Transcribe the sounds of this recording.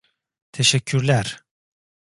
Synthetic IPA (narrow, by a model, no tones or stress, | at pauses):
t̪ʰeʃɛcʰːyɾlʲæɾ̥